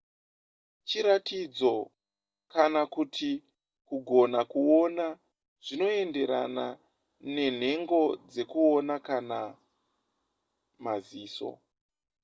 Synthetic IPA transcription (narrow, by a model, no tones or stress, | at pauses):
t͡ʃiɾatid͡zo̞ | kanakutʰi | kuɡʱo̞nakuo̞na | ʐ̥ino̞e̞nde̞ɾa̰na | ne̞n̤e̞ŋɡo̞d͡ze̞kuonakana | maziːso̞̰